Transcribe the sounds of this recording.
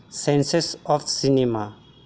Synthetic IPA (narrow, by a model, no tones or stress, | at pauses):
sɛ̃nsesɔfsinima